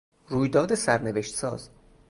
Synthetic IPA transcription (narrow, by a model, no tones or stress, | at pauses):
ɾuːjd̪ɒːd̪esæɾneveʃt̪sɒ̰ːz̥